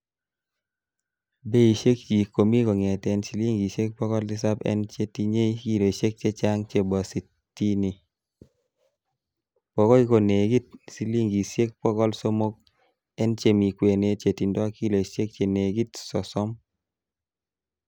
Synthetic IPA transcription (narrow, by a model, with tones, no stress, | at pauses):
be˦i˨ʃe˦k̚t͡ʃi˨ko˨mi˦kɔ˨ŋe˨tɛ˨nsi˨˦li˦ŋɡi˨sje˦k̚pɔ˦kɔ˦ldɪ˦sa˦pɛ̰˦nt͡ʃe˦ti˦ɲe˦i˦ki˦lo˨i˨ʃe˦k̚t͡ʃe˦t͡ʃa˦ŋt͡ʃe˦bɔ˨si˨ | tːi˦ni˨ | pɔ˨kɔ˦i˦ko˨ne˨ɡi˦t̚si˨˦li˦ŋɡi˨se˦k̚pɔ˦kɔ˦lso˦mo˦k̚ | ɛ˦nt͡ʃe˦mi˨kwe˨ne˦t͡ʃe˨ti˨ndɔ˦a˦ki˦lo˨i˨ʃe˦k̚t͡ʃe˨ne˨ɡi˦tsɔ˨sɔ˦m